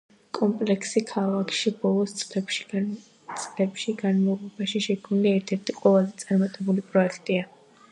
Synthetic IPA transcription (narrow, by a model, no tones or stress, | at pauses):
kʼɔmpʼlɛkʰsikʰalakʰʃibɔlˠɔst̪sʼlɛʃ | t̪sʼlɛpʃiɡanmalɔbaʃiʃɛkʰniliɛɾt̪ʰɛɾt̪ʰiqʼwɛlazɛt̪sʼaɾmat̪ʼɛbulipʼɾɔɛkʰt̪ʼia